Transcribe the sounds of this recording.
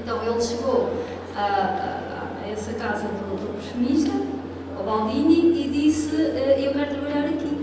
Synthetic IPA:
ẽnt̪ɐ̃w̃elˠʃɨɣo | a̰ | ɛsɐkazɐðud̪upɾfumiʃt̪ɐ | ɔβãw̃d̪iniiðisɨɛewkɛɾut̪ɾɐβɐʎaɾɐki

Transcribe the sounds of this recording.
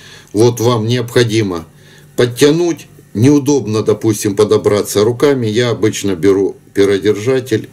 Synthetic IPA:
vo̞t̪vamnʲɪɐpxɐdʲimə | pətʲːɐnutʲ | nʲɪʊd̪o̞bnəd̪ɐpusʲtʲɪmpɐd̪ɐbɾat̪səɾʊkamʲɪjaɐbɨt͡ɕnəbʲɪɾupʲɪɾədʲɪrʐatʲɪlʲ

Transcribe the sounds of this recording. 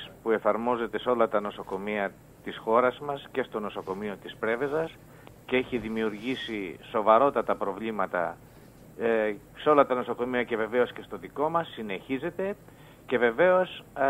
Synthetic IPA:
spue̞fɐɾmo̞ze̞t̪e̞seo̞lɐt̪ɐno̞so̞ko̞miɐ | t̪isxo̞ɾɐzmɐsce̞st̪o̞no̞so̞ko̞mio̞t̪ispɾe̞ve̞zɐs | ceeçiðimiuɾʝisiso̞vɐɾo̞t̪ɐt̪ɐpɾo̞vlimɐt̪ɐ̰ | seo̞lɐt̪ɐno̞so̞ko̞miɐce̞ve̞ve̞o̞sce̞st̪o̞ðiko̞mɐsːine̞çize̞t̪e̞ | ce̞ve̞ve̞o̞s

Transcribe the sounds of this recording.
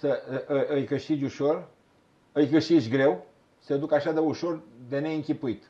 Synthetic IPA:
səʔɨʔɨjkɨʃt̪id͡ʒʲuʃo̞r | ɨjkɨʃt̪it͡ʃʲɡɾe̞w | sed̪ukaʃad̪euʃo̞rd̪ene̞ɨŋkʲipuit̪

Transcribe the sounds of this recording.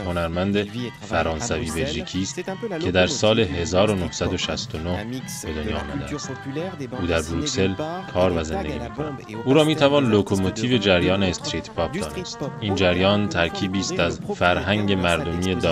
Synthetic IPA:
ho̞næɾmænd̪e̞fæɾɒːnsæviːbe̞lʒiːcʰiːst̪cʰe̞d̪æɾsɒːle̞ɦe̞zɒːɾo̞nohsæd̪o̞ʃæst̪ono̞h | b̥e̞d̪o̞njɒːmæd̪æ̰ | ʔuːd̪æɾbɾucse̞lkʰɒːɾvæze̞nd̪e̞̰ɟʲiːmiːkʰonænd̪ʔuːɾɒːmiːt̪ʰævɒːnlokʰo̞mot̪ʰiːve̞d͡ʒæɾjɒːneːst̪ɾiːt̪ʰpʰɒpʰd̪̥ɒːne̞st̪ʔiːnd͡ʒæɾjɒːnt̪ʰæɾcʰiːbiːst̪æzfæɾɦæŋɟe̞mæɾd̪o̞miːe̞d̪

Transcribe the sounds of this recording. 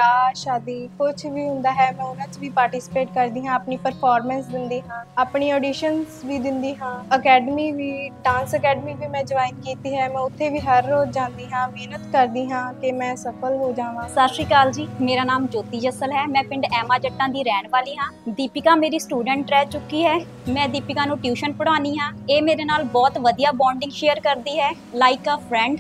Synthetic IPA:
aːʃaːd̪iːkʊt͡ʃʰʋiːɦʊ̃nd̪aːɦɛːmɛ̃ːʊnãːt͡ʃʋiːpaːɾʈiːsɪ̥peːʈkəɾd̪iːɦãːəpniːpəɾpʰaːɾmɛ̃ːnsd̪ɪnd̪iːɦãːaːpɳiːɔːɖiːʃənsʋiːd̪ɪnd̪iːɦãːəkɛːɖəmiːʋiːɖãːnsəkɛːɖəmiːbiːmɛ̃ːd͡ʒəʋaːɪnkiːt̪iːɦɛːmɛ̃ːʊt̪ʰːeːʋiːɦəɾoːd͡ʒãːnd̪iːɦãːmeːnət̪kəɾd̪iːɦãːkɪmɛ̃ːsəpʰəlɦoːd͡ʒaːʋãːsaɾsiːkaːld͡ʒiːmeːɾaːnaːmd͡ʒoːt̪iːd͡ʒəsəlɦɛːmɛ̃ːpʰɪ̃ɳɖɛːmaːd͡ʒəʈːãːd̪iːɾɛːnʋaːliːɦãːd̪iːpɪkãːmeːɾiːsʈuːɖə̃ɳʈɾɛːt͡ʃʊkːiːɦɛː | mɛ̃ːd̪iːpɪkãːnũːʈjuːʃənpəɽaːniːɦãːeːmeːɾeːnaːlbɔːt̪ʋəd̪ijaːbãːɳɖɪ̃ŋɡʃeːəɾkəɾd̪iːɦɛː | laːɪkaːpʰɾɛ̃ːɳɖ

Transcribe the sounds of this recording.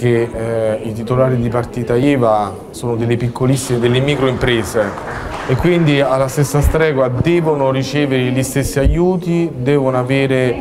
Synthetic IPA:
k̟eit̪it̪olaːɾid̪ipart̪iːt̪aiːva | soːnod̪elːepikʰːolisːimed̪elːemiːkɾoimpɾeːzeː | kːwind̪ialːast̪esːast̪ɾɛːɡwad̪ɛːvonorit͡ʃɛːveɾelist̪esːiajːuːt̪id̪ɛːvonoaveːɾe

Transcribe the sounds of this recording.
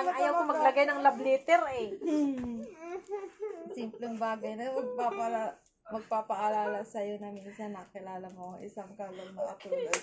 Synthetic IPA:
ɐŋʔɐjɐwkomɐɡlɐɡajnɐŋlɐblɛːt̪ɛɾɛ | simplɛŋbaːɡɐjnɐmɐɡ̚papɐ | mɐɡ̚paːpɐʔɐlaːlɐsɐjo̞nɐminsɐnːɐkɪlaːlɐmoɐŋʔɪ̰sɐŋkɐlɐmnɐʔɐt̪uːlɐd̪

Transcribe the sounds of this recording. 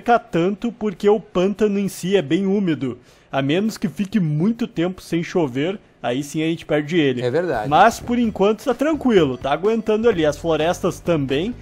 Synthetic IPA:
kɐt̪ɐ̃nt̪ʊpoɾkeʊpɐ̃nt̪ɐnʊẽsiɛbẽj̃umid̪ʊ | amẽnʊskɪfikɪmũj̃t̪ʊt̪ẽmpʊ̥sẽj̃ʃoveɾ | aisĩɐʒẽnt͡ʃɪ̥pɛɾd͡ʒɪelɪɛveɾd̪a̰d͡ʒmɐspoɾẽŋkwɐ̃nt̪ʊ̥t̪at̪ɾɐ̃ŋkwilʊt̪aːɡwẽnt̪ɐ̃nd̪ʊaliɐsfloɾɛst̪ɐst̪ɐ̃mbẽj̃

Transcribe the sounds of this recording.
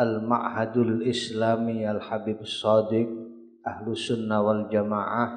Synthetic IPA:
alma̰ʔhad̪alɪslamialħabibsɑd̪ɪk̚ | ʔahlʊsʊnːawald͡ʒamaʕa

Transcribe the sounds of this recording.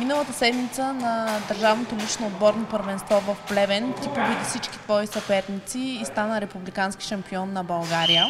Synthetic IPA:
minəlˠət̪əsɛd̪mit̪sənɐd̪ɐɾʒavnot̪olit͡ʃnoːd̪̚bɔɾnopəɾvɛnst̪vɔvɐfplɛvɛnt̪ʲipobid̪ifsit͡ʃki̥t̪vɔisɐpɛɾnit̪siːst̪anəɾɛpublikanski̥ʃɐmpiɔnːɐbɐlˠɡaɾijə

